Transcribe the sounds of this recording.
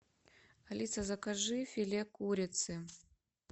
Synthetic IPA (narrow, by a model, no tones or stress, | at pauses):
ɐlʲit̪sɐzɐkaʐɨfʲilʲekuɾʲɪt̪sɨ